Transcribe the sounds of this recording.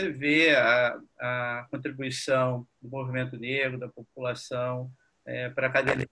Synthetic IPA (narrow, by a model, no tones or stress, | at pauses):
eveaɐkõnt̪ɾibuisɐ̃w̃d̪ʊmovimẽnt̪ʊneɡɾʊd̪ɐpop̚ulasɐ̃w̃ | ɛpɾɐkad̪ẽm